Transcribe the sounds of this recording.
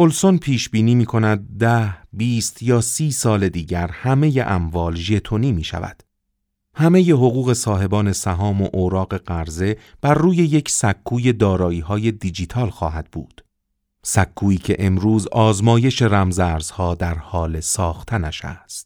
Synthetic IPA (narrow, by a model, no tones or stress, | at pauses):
olsonpʰiːʃbiːniːmiːkʰo̞næd̪̚ːæhbiːst̪ʰjɒːsiːsɒːle̞d̪iːɟæɾhæme̞je̞ʔæmvɒːlʒe̞t̪ʰoniːmiːʃæ̰væ̰d̪̥ | hæme̞je̞ɦo̞ɣuːɣe̞sɒːɦe̞bɒːne̞sæɦɒːmoʔoːɾɒːɣe̞ɢæɾze̞b̥æɾːuːje̞je̞cʰsækʰːuːje̞d̪ɒːɾɒːiːɦɒːje̞d̪id͡ʒit̪ʰɒːlxɒːɦæd̪̥̚bṵːd̪̥ | sækʰːuːiːcʰe̞̰ʔe̞mɾuːzɒːzmɒːje̞ʃe̞ɾæmzæːɾz̥hɒːd̪æɾhɒːle̞sɒːxt̪ʰænæʃæ̰st̪